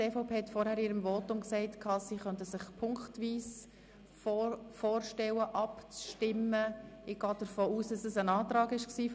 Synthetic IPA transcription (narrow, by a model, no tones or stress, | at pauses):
eːfɑʊpʰeːhɛtfɔɾhæːɾiːɾəmvɔːtʊmksɛɪtkʰɑːsiχœntəsɪχpʰʊŋktʋiːs | ffoːrʃtɛwəʔɑpt͡sʃtɪmːəɪɡ̥ɑːd̥əɾfoːuːsdɑsəsənɑːtɾɑːɡɪʃksiː